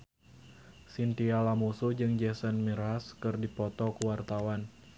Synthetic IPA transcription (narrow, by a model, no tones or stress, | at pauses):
sint̪ialamusud͡ʒɨŋd͡ʒɛsənmiɾaskɨrdipɔt̪ɔkuwart̪awan